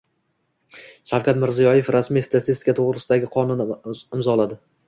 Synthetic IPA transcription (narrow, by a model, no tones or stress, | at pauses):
ʃawkʲat̪mɪɾzijɒjefɾasmijst̪ʰat̪ʰɪst̪ɪ̥kʰat̪ʰoʁɾɪsɪd̪aɡʲɪqʰɒnʊnɪmzɒlˠad̪ɪ